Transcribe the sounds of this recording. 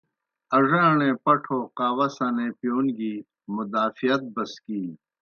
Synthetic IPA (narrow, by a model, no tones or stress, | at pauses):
ɐʐãːɽ̃ẽːpɐʈʰoːqaːwɐsɐnẽːpjoːnɡiː | mʊd̪aːfijɐt̪̚bɐskiː